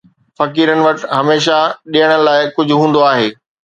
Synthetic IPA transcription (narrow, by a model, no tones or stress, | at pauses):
fɐkiːɾənɪ̆ʋɐʈɦɐmeːʃaɗijəɽ̃ənɪ̆laːɪkʊd͡ʑʱʊɦũːn̆d̪oaːɦeː